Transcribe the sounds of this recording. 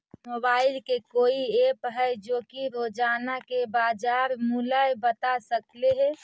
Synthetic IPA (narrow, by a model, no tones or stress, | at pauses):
mobaːɪlkekoːieːpɦɛɪd͡ʒoːkiɾoːd͡ʒaːnakebaːd͡ʒaːɾmulajbət̪asəkleɦɛ